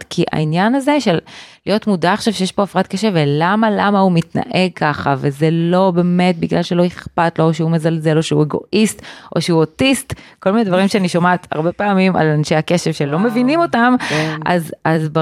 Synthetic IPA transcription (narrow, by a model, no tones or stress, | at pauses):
tkʰiʔa̰injanaze̞ʃellijo̞tmudaːχʃavʃejeʃpo̞afʁatkeʃevelamalamaumitna̰ʔe̞ɡ̚kʰaχavezelo̞be̞me̞t̚biɡlalʃelo̞iχpatlo̞ʃeumezalze̞lo̞ʃeueɡo̞̰ʔist̪ʔo̞̰ʃeuotistkolmined̪vaʁimʃeaniʃomat̪a̰ʁbepaːmima̰lanʃejhake̞ʃevʃelo̞me̞vinimo̞tama̰zazba